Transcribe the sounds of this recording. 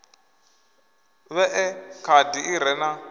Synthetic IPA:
βɛʔɛkʰadiʔiɾɛna

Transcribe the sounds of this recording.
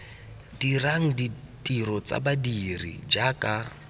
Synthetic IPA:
diraŋ̩ditiɾɔt͡sa̰badirḭd͡ʒaka

